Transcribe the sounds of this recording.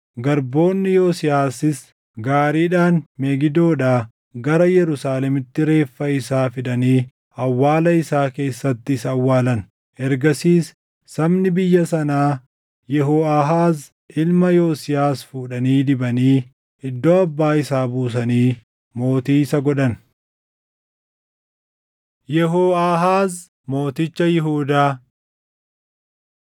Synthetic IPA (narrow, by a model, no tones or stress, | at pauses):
ɡɐɾbo̞ːnːɪjoːsɪjaːsɪs | ɡaːɾiːᶑaːnmɛɡɪd̪o̞ːᶑaː | ɡɐɾɐjɛɾʊsaːlɛmɪt̪ːɪɾe̞ːfːɐɪsaːfɪd̪ɐniː | ɐwːaːlɐɪsaːke̞ːsːɐt̪ːɪɪsɐwːaːlɐn | ʔɛɾɡɐsiːsː | ɐbnɪbɪjːɐsɐnaː | jɛɦoːaːɦaːz | ɪlmɐjoːsɪjaːsfuːᶑɐniːd̪ɪbɐniː | ɪd̪ːoːɐbːaːɪsaːbuːsɐniː | mo̞ːt̪iːsɐɡɔᶑɐn | jɛɦoːaːɦaːz | mo̞ːt̪ɪt͡ʃːɐjɪɦuːd̪aː